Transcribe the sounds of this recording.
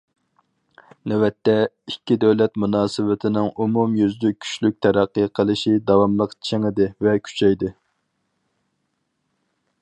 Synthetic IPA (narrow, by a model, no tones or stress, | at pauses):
nɛwɛt̪ːɛ | ikʲːid̪ɛwlɛt̪munɑːsɨwɪt̪ʰɪnɪŋumumjyzd̪ykʲʰy̥ʃlyk̚ʲt̪ʰɛɾæqːəqʰəlˠɨʃid̪ɑwɑmlˠəqt͡ʃʰeŋɪd̪ɪvɛkʲʰy̥t͡ʃʰɛjd̪ɪ